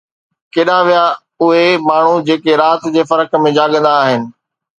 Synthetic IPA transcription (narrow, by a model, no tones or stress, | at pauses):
keːɗaʋija | ʊɦemaːɳ̤ud͡ʑeːkeɾaːt̪d͡ʑeːfɐɾəkmẽd͡ʑaːɠə̃nd̪aːɦɪnɪ̆